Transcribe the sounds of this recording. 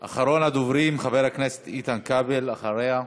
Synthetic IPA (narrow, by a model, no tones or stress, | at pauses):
ʔa̰χaɾo̞nad̪ovɾimχaveɾhakneset̪it̪ankabelaχaɾeha